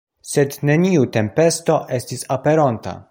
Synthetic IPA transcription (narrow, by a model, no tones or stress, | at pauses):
se̞d̪ne̞niute̞mpe̞st̪o̞ʔe̞stisapeɾont̪a̰